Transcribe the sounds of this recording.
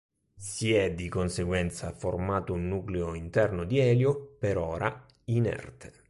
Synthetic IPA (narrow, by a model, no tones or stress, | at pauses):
siɛd̪ːikonseɡwɛnt̪saformaːt̪ʊunːuːkleoint̪ɛrnʊd̪iɛːljopeɾɔːɾʔa | inɛ̰rt̪ʰe̥